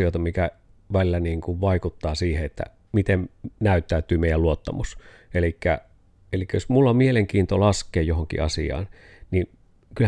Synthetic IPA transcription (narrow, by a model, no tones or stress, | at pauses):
ioˑet̪ɑmikæ | ʋælilːæniːŋkuʋʋɑikut̪ːɑːsiːheet̪ːæ̰ | mit̪emnæˑyt̪ːæˑyt̪yːmeˑijælluot̪ːɑmus | elikːæ̰ | elikːæjosmulːɑmmieleŋkiːnt̪olɑskˑeːjjohoŋkḭɑsḭɑ̰ːn | ni | kyl